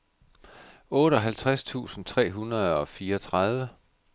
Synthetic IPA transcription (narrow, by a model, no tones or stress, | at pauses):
ɔːɾ̥əɒ̽ɦælt͡sʰʁast͡sʰṵːsn̩t͡sʰʁɛ̰ːɦunʁɐð̞ˠɒ̽fiːɐɒt͡sʰʁɑð̞ˠʋə